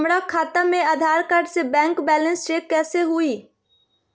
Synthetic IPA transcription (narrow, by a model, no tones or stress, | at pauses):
mɽakʰaːt̪amẽaːd̪ʱaːɾkəɾɖsebɛ̃ːŋkbɛːlə̃nsɾeːkːɛːseɦuiː